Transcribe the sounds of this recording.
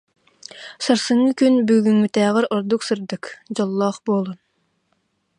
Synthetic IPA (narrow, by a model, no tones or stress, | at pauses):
sɨɾsɨŋːɨkʲynbyɡʲyŋmyt̪ʰæːʁəɾɑɾd̪uqsɨɾd̪ɨkd͡ʒɑlˠːɑχbolˠun